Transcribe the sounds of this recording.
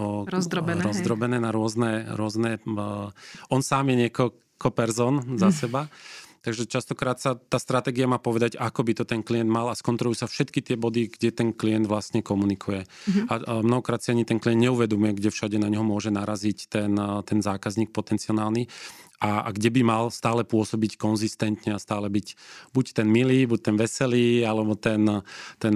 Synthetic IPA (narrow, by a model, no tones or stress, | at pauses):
ɾɔzd̪ɾɔbɛɾɔzd̪ɾɔbɛnɛːnaɾʊɔznɛɾʊɔznɛ | ʔɔnsaːmjɛɲɪɛkɔl | kɔpɛɾzɔːnzasɛbat̪aɡʒɛt͡ʃast̪ɔkɾaːt̪sat̪aːst̪ɾat̪ɛːɡiamaːpɔʋɛd̪aɟakɔbit̪ɔt̪ɛnkliɛnd̪malaskɔnt̪ɾɔluːsafʃɛt̪kit̪ɪɛbɔd̪iɡɟɛt̪ɛnklijɛnd̪ʋlast̪ɲɛkɔmunikʰujɛamnɔɦɔkɾaːt̪siaɲit̪ɛnkliɛnd̪ɲɛuʋɛd̪ɔmujɛɡɟɛfʃaɟɛnaɲɔɦɔmʊɔʒɛnaɾazict̪ɛnt̪ɛnzaːkazɲiːk̚pɔt̪ɛnt͡siɔnaːlniʔaa̰ɡɟɛbimalst̪aːlɛpʊɔsɔbickɔnzist̪ɛnt̪ɲɛast̪aːlɛbicbuct̪ɛnmiliːbuc̚t̪ɛnʋɛsɛliːalɛbɔt̪ɛnt̪ɛn